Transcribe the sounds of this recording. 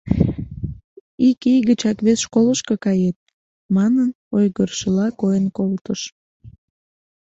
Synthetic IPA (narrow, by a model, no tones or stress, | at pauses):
ikijɣət͡ɕɑkβesʃkoləʃkokɑjet̪̚ | mɑnən | ojɣərʃəlɑkojənkolt̪əʃ